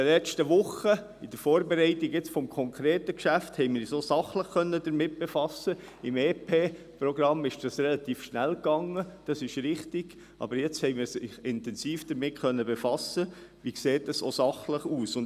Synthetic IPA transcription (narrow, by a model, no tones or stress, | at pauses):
ɛlɛt͡ʃtəʋʊχə | ɪd̥əɾfɔːɾbeɾɛɪt̪ɪɡɪt͡sfɔmkʰɔŋkʰɾeːtəkʃæfthɛɪmɪːɾsosɑχləχkœnːədəɾmɪt̚b̥efɑsə | ɪmeːpʰeː | pɾɔɡɾɑmːɪʃd̥ɑsrɛlɑt̪iːfʃnælkɑŋːəd̥ɑsɪʃɾɪχtɪɡ̥ | ʔɑ̰bəɾjɛt͡shɛɪmɪːɾsɪχɪntɛnsiːfd̥̪əɾmɪtχœnːəbefɑsəʋikseːtdɑso̰sɑχləχuːsʊn